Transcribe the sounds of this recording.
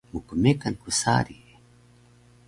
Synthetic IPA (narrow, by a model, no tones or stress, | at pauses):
mukumekankusa̰ɾi